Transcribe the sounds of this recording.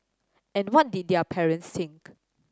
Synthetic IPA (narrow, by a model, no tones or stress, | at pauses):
ɛ̃nwɔt̚dit̚dɛpʰɛɹə̃ntst̪ĩŋk